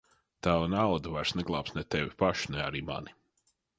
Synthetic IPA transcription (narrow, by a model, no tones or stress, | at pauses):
t̪awanawd̪avaɾsnɛɡlˠaːpsnɛt̪ɛvʲipaʃi̥nɛaɾiːma̰ni